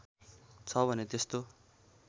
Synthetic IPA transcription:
t͡sʰʌbʱʌnet̪est̪o

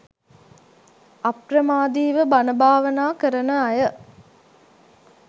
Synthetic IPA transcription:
ɐprəmaːd̪iːʋəbanəbʱaːʋənaːkəɾənəɐjə

